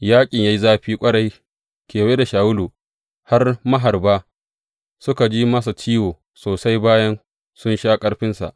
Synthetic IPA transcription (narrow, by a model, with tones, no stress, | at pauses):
jaː˦kʲʼɪ˨ɲja˦ji˦zaː˦ɸiː˦kʷʼɐ˦ɽa˦j | kʲeː˨weː˦da˨ʃaː˨wʊ˦lu˨ | ha˦rmɐ˦ɦa˨rbaː˦ | sʊ˦ka˨d͡ʒi˦mɐ˦s̬a˨t͡ʃiː˦woː˨ | soː˨sa˦jbaː˦jɐ˦n | sʊ˦nʃaː˦kʼɐ˦ɽɸɪ˦nsa̰˨ʔ